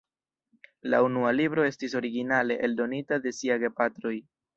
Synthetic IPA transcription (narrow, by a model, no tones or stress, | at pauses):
la̰unualibɾo̞e̞stis̬o̞ɾiɡinale̞ʔeldo̞nitade̞siajɡepatɾo̞j